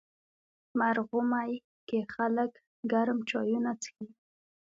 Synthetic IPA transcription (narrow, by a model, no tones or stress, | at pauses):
maɾɣʊmaj | kexalək | ɡaɾmt͡ʃɑjunat͡sə̥xi